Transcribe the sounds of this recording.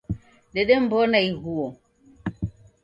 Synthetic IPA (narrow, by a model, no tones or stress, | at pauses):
ɗɛɗɛm̩bɔnaiɣuɔ